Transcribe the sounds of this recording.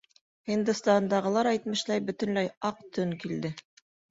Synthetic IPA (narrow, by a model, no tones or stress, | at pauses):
hind̪ɘst̪ɑnd̪ɑʁɤ̆lˠɑɾæjt̪mɘ̆ʃlæjbɵ̆t̪ɵ̆nlæjɑq̚t̪ʰɵŋkild̪ɘ